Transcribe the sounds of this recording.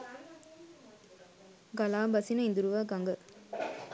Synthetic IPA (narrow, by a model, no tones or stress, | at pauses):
ɡɐlaːbɐsinɐind̪uɾuʋaːkɐŋɡɐ